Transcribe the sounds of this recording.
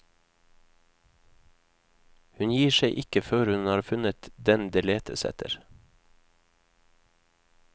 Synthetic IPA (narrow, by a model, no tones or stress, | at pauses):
hʉnjiːʃeɪʔɪkəføːɾhʉnɑːɾfʉnət̪d̪ɛnd̪eːleːt̪ʰə̰sɛ̰t̪ʰə̰ɾ